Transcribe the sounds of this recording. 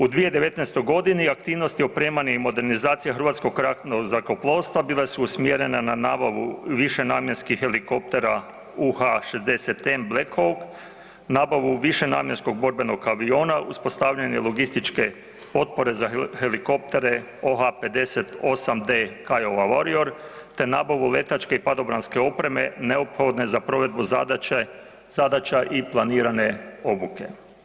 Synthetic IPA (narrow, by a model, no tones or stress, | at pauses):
ud̪ʋije̞d̪eʋe̞t̪nest̪ojɡo̞d̪iniak̚t̪iːʋno̞st̪io̞pɾeːmaɲeimo̞d̪e̞ɾnizaːt̪sijexrʋat̪sko̞kɾaknoɡzako̞plˠo̞ːst̪ʋabilˠesuːsmjeɾe̞nananaːbaʋṵʋiʃe̞naːmjenskixxe̞liko̞p̚t̪e̞ɾa | uhaʃe̞zd̪e̞se̞t̪emblekʰoɡ | naːbaʋuʋiʃe̞na̰ːmjensko̞ɡ̚bo̞ɾbe̞noɡkːaʋio̞ːnaʔuspo̞st̪aʋʎaɲelˠoɡist̪it͡ʃke̞ | po̞t̪̚po̞ɾe̞zaheliko̞p̚t̪e̞ɾe̞ | o̞ɦape̞d̪e̞set̪o̞samd̪ekajoʋaʋoɾio̞ɾt̪e̞naːbaʋule̞t̪at͡ʃke̞ipad̪o̞bɾanske̞o̞pɾe̞me̞neopxo̞d̪ne̞zapɾo̞ʋe̞d̪̚buz | z̥ad̪at͡ʃaʔiplˠaniːɾane̞o̞buke̞